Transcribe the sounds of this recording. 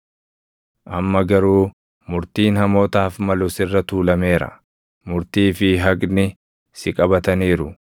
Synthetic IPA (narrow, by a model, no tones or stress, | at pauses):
ʔɐmːɐɡɐɾuː | mʊɾt̪iːnhɐmo̞ːt̪aːfmɐlʊsɪrːɐt̪uːlɐme̞ːɾɐ̰ | mʊɾt̪iːfɪɦɐkʼnɪ | sɪkʼɐbɐt̪ɐniːɾʊ